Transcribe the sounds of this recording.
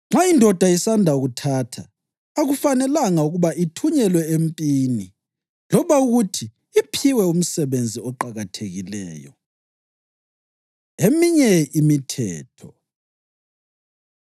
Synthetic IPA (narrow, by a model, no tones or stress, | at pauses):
ŋ͡ǁaindʱɔd̥ʱaisandʱauɣutʰaːtʰaː | ɣufanɛlaŋauɣuβaʔitʰuɲɛlwɛempʼiːni | lɔβauɣutʰiː | pʰiwɛum̩sɛβend͡zʱiɔǃaɣatʰeɣilɛ̰ːjɔ̰ | emiɲɛimitʰɛ̰ːtʰɔ